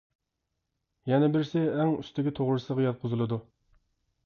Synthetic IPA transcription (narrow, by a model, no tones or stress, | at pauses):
jɛnɛbɪɾsɪɛŋyst̪ʰɪkʲit̪ʰoʁɾɨsɨʁɑjɑt̪̚qʰʊzɨlˠɨd̪u